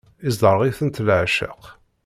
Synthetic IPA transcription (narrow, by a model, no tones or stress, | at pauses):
izd̪əɾˤʁiθənt̪lʕʃə̰q